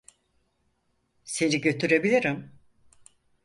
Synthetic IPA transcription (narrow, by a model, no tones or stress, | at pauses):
se̞niɟø̞t̪ʰyɾe̞bilʲiɾim